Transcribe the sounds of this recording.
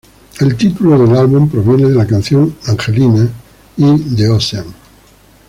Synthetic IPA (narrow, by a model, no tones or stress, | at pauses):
e̞lt̪it̪uloðe̞lalβumpɾo̞βje̞neðelakan̟θjo̞ŋaŋxe̞lina | id̪eoseaŋ